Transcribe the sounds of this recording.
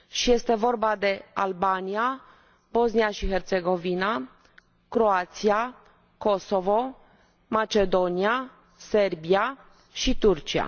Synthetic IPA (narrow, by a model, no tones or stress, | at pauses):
ʃije̞st̪e̞vo̞rbad̪e̞albania | bo̞s̬nijaʃiɦe̞rt̪se̞ɡo̞vina | kɾo̞at̪sia | ko̞so̞vo̞ | mat͡ʃe̞d̪o̞nia | se̞rbia | ʃit̪urt͡ʃia̰